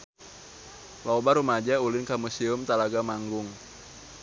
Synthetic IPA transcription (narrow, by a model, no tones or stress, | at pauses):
lɔbaɾumad͡ʒaulɪnkamusiʊmt̪alaɡamaŋɡʊŋ